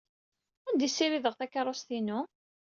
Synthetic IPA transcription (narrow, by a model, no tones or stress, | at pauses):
ænd̪isːiɾiðəʁθækːəɾˤost̪inu